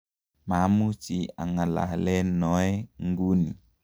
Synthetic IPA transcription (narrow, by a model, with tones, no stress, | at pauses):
mamu˦t͡ʃia˨ŋa˨la̰˨lɛ˦nɔ˦ɛ˦ŋɡu˦nḭ˨